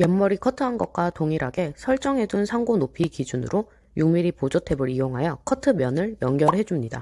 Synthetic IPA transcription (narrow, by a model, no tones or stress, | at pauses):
jʌmːʌɾikʰʌtʰɯɦanɡʌk̚k͈watoŋiɾɦaɡe̞sʰʌɭt͡ɕ͈ʌŋɦe̞dunsʰaŋɡonopʰikid͡ʑunɯ̰ɾʔo | juŋmiɾipod͡ʑotʰe̞bɯɾijoŋɦajʌkʰʌtʰɯmjʌnɯɭjʌŋɡjʌɾhe̞d͡ʑumɲida̰